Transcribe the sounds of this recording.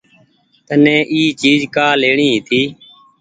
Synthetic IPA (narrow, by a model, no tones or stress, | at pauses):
t̪ənẽːʔiːt͡ʃiːzkaːleːɳiːɦiːt̪ʰiː